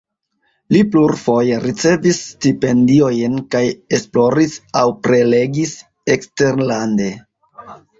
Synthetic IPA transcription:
lipluɾfo̞je̞ɾit͡se̞visːtipe̞ndio̞jnkajesplo̞ɾisawpɾe̞le̞ɡis | ekste̞ɾlande̞

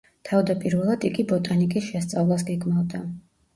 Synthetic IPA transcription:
t̪ʰavd̪apʼiɾvɛlˠad̪iɡibɔt̪ʼanikʼisʃɛst̪sʼavlˠas̬ɡɛɡmavd̪a

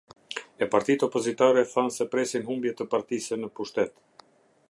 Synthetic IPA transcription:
ɛpaɾt̪it̪ɔpɔzit̪aɾɛθansɛpɾɛsinɦumbjɛt̪əpaɾt̪isɛnəpuʃt̪ɛt̪

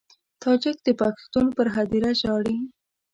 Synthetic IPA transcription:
t̪ʰɑd͡ʒak̚d̪əpɑkɪ̥st̪ɑnpəɾɦad̪iɾaʒɑɽi

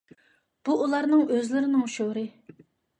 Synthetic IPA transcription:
b̥uʔːlˠɑɾnɨŋøzlɪɾɪnɪŋʃoɾɨ

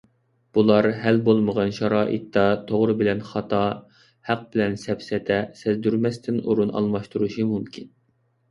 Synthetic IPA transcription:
b̥ulˠɑɾhælbolˠməʁɑnʃɑɾɑːʔḭt̪ʰːɑt̪ʰoʁɾɨbɪlɛnχɑt̪ʰɑ | hæq̚bɪlɛnsɛpsɛt̪ʰɛsɛzd̪yɾmɛst̪ʰɪnuɾunɑ̰lˠmɑʃt̪uɾuʃimumkʲʰin

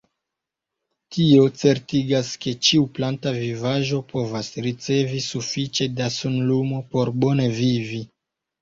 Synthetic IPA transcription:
tʰio̞t͡se̞ɾtiɡaske̞t͡ʃiuplantavivaʒo̞po̞vasɾit͡se̞visufit͡ʃe̞dasunlumo̞po̞ɾbo̞ne̞vivi

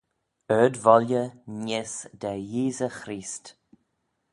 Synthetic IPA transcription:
œːdvɔljənɪsd̪ɛjiːzəxɾiːst

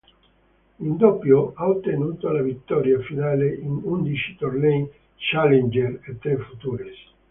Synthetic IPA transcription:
ind̪ɔpːjoaot̪ːenuːt̪olavit̪ːɔɾjafinaːleʔinund̪it͡ʃi̥t̪ornɛj | t͡ʃalend͡ʒeret̪ːɾefut̪uːɾes

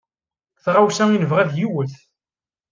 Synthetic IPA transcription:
θʁawsæinəvʁæðjiwəθ

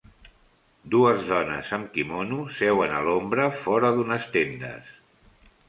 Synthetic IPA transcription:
d̪uəzðɔnə̰zəmkimonusɛwənəlombɾəfɔɾəðunəst̪end̪ə̰s

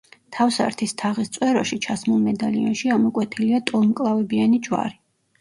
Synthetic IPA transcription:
t̪ʰafsa̰ɾt̪ʰist̪ʰaʁist̪sʼwɛɾɔʃit͡ʃʰasmulˠmɛd̪aliɔ̰nʃiamɔkʼwɛt̪ʰiliat̪ʼɔlˠmkʼlˠavɛbianid͡ʒwa̰ɾi

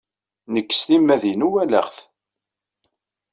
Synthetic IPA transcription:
nəkːə̥sθimːæðinuwælə̰χθ

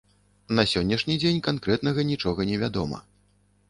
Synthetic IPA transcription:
nɐsʲɔnʲːɐʂnʲid͡zʲenʲkankɾɛt̪nɐɣɐnʲit͡ʂɔɣɐnʲɛvʲad̪ɔmɐ̰

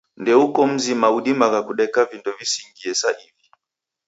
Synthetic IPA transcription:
ndɛukɔm̩zimauɗimakakuɗɛkavindɔvisiŋɡiɛsaʔivi

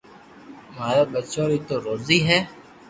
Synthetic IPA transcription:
maːɾaːbət͡ʃoːɾiːt̪oːɾoːziːɦɛː

